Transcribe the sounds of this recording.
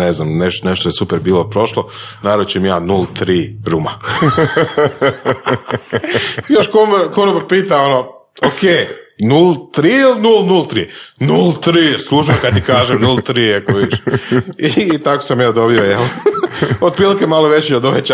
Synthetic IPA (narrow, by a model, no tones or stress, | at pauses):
neznamneʃt̪oneʃt̪ojesupeɾbiːlopɾo̞ʃlˠonaːɾot͡ɕemjaːnulˠt̪ɾiːɾuma̰ | joʃkomekoɾoppiːt̪aono | okʰeːnuːlˠt̪ɾiːilnuːlˠnulˠt̪ɾiːnuːlˠt̪ɾiːslˠuːʃ̬akad̪̚t̪ikaːʒemnulˠt̪ɾiekoʋid̪iʃit̪ako̥samjaːd̪o̞biojelˠ | od̪pɾiːlikemalˠoʋet͡ɕiod̪oʋet͡ɕ